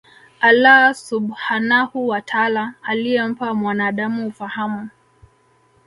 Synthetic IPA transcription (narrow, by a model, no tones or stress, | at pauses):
alasuɓhanahuwatʰalaːliɛm̩pamwanaːɗamuːfahamu